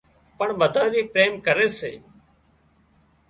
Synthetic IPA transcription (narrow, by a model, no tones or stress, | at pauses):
pəɳʋəd̪ʱaːɾiːpɾeːmkəɾeːsḛː